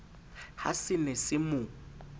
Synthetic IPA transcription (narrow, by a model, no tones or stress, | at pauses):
ha̰sɪnɛsɪmʊ